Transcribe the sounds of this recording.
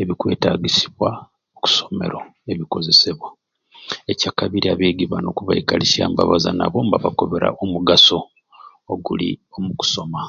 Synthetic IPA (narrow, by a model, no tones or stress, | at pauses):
e̞βikwe̞̰ːtaːɡisi̥βwa | oku̥so̞me̞̰ɾo | e̞βiko̞ze̞seβwa | ecakaβiɾiaβe̞ːɡiβano̞kuβaikalisjaːmba̰βazana̰βo̞ːmbaβako̞βe̞ɾa̰ʔomuɡaso̞ː | ɡuliomuku̥so̞ma